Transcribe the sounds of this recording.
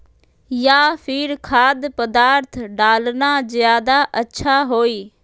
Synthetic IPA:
jaːpʰɪɾkʰaːd̪pəd̪aːɾt̪ʰɖaːlnaːzɪjaːd̪aːʔətːʃʰaːɦoːiː

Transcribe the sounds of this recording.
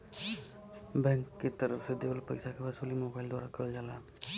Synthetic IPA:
bɛŋkːet̪əɾəpʰsed̪elpəjsakʰebasulimobajld̪waɾakəɾəld͡ʒala

